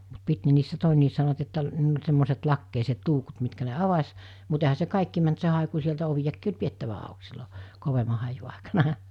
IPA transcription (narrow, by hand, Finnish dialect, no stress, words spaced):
mut pit ne niːsːæ toˑenːiːs sɑnoʋɑt etːæ niːl olʲ semːoset lɑkːeiset luːkut mitkæ ne ɑʋɑs mut ehæ se kɑˑikːi mænt se hɑˑeku sieltæ oʋijɑkːiː olʲ pietːæʋæ ɑˑuk silːo koʋemɑ hɑiju ɑˑikɑnɑ